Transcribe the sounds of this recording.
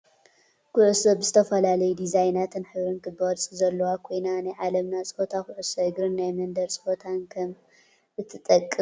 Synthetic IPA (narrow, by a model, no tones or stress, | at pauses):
kʰʊʕusɐbɨzɨt̪ʰɐfɐlalɐjud̪izajnat̪ʰɨnħɨβɾɨnkʰɨbɐɾt͡sʼizɐlːɐwakʰo̞jnanajʕalɐmnat͡sʼfot̪ʰakʊʕusɐɨɡɾɨnːajmɐnd̪ɐɾt͡sʼɨ̥fot̪ʰankʰɐm | ʔɨt̪ʰːɨt̪ʼɐkʼːɨ